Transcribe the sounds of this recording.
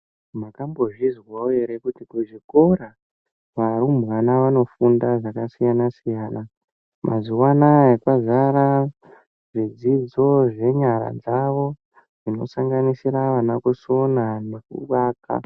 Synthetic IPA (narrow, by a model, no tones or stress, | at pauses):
makambo̞ʐizwaueɾekutikuʐiko̞ra | ʋarumbɣanaʋano̞fundaʐakasijanasijaːna | mʔa̰zuwanaekwazaɾa | ʐid͡zid͡zo̞ʐe̞ɲaɾa̰d͡zaʋo̞ | d͡zino̞̰saŋɡanisiraʋanakuso̞nanakṵwaːka̰